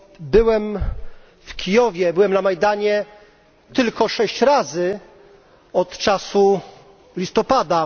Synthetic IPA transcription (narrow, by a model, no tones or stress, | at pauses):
bɘwɛm | fkʲijɔvʲjɛbɘwɛmnamajd̪aɲɛ | t̪ɘlkɔʂɛɕt͡ɕɾazɘ | ɔt̪t͡ʂasu | lʲist̪ɔpad̪a